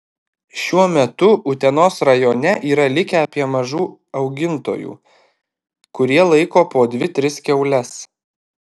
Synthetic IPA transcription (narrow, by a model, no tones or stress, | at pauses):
ʃʲuɔmʲɛt̪ʊʔʊt̪ʲɛnoːsɾɐjoːnʲɛʔiːɾɐlʲɪkʲɛɐpʲiɛmɐʒuː | ɒʊɡʲɪnt̪o̰ːjṵː | kʊɾʲiɛlˠɐɪkoːpoːd̪ʲʋʲɪt̪ʲɾʲɪskʲɛʊlʲɛs